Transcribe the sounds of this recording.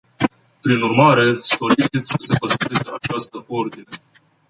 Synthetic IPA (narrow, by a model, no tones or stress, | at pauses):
pɾinurmaɾe̞soɾit͡ʃit̪sʲsə̥se̞pəst̪ɾe̞seat͡ʃast̪əʔo̞rd̪ine̞